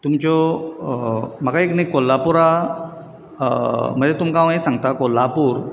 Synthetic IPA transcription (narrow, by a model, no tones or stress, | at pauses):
t̪umt͡ɕɔ | m̤akaeknikolːapuɾa | m̤əd͡ʑet̪umkaʋ̃ɦesãŋɡt̪akolːapuːɾ